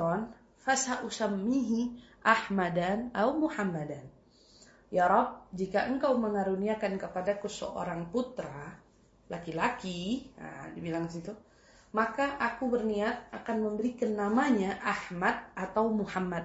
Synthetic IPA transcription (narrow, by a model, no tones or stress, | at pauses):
ɔn | fasaʔusamːiɦiʔahmadanawmuhamːadan | jaɾɔb̚d͡ʒikaʔəŋkawməŋaɾuniakankəpadakusə̰ʔo̰ɾaŋput̪ɾa | lakilakia̰dibilaŋdisit̪u | makaʔakubərniat̪̚akanməmbəɾikanːamaɲaʔahmat̪̚ʔat̪awmuhamːad̪̚